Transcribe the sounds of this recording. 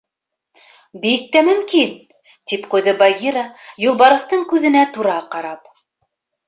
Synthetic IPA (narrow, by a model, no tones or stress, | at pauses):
bik̚t̪æmɵ̆mkin | t̪ipqujðɤbɐɡʲiɾɑjulˠbɑɾɤ̆θt̪ɤɴkʉðɘ̆næt̪uɾɑqɑɾɑp